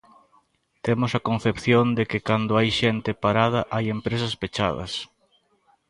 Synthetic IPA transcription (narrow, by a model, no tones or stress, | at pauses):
t̪emosɐkon̟θepθjõnd̪ekɪkand̪oajʃent̪ɪpaɾað̞ɐʔajempɾes̬ɐspet͡ʃa̰ðɐ̰s